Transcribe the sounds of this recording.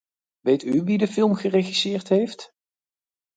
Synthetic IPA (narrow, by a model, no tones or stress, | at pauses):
ʋejtyʋidəfɪlˠmχəreχisɪːɹtɦejft